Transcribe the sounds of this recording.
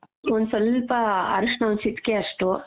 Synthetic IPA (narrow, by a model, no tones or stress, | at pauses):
ond̪usɔlpɐɐ̰ɾuʂɳɐonsit̪keːɐʂʈu